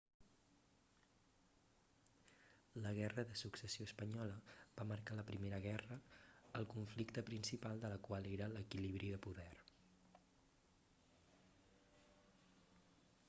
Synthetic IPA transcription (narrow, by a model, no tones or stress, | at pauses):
ləɣ̞ɛrəðəsuksəsioəspəɲɔləβ̥aməɾkaləpɾimeɾəɣɛrəːlˠkuɱflikt̪əpɾinsipalˠd̪ələkwalˠeɾələkiliβ̞ɾiðəpuðɛr